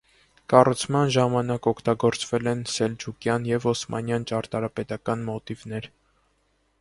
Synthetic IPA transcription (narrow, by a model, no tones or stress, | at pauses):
kɑrut͡sʰmɑnʒɑmɑnɑkɔkʰt̪ɑɡɔɾt͡svɛlɛnsɛld͡ʒʰukjɑnjɛvɔsmɑ̰njɑnt͡ʃɑɾt̪ɑɾɑpɛt̪ɑkɑnmɔt̪ivnɛɾ